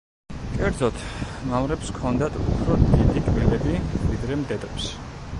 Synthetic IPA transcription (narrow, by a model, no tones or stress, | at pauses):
kʼɛɾd̪zɔt̪ʰmamɾɛpskʰɔnd̪at̪ʰupʰɾɔd̪id̪ikʼvɛlɛbivid̪ɾɛmd̪ɛd̪ɛps